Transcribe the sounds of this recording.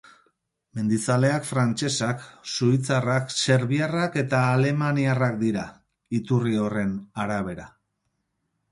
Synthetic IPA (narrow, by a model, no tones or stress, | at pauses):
me̞nd̪it͡sale̞akfɾant͡ʃe̞saksuit͡sarakse̞ɾβiarake̞t̪aːle̞maniarakd̪iɾa | it̪urio̞re̞naɾaβ̞e̞ɾa